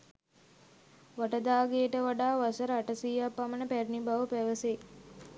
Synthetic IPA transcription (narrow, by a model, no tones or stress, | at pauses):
ʋaʈəd̪aːɡejəʈəʋaɖaːʋasəɾəːʈəsiːapːamənəpærinibaʋəpæʋəse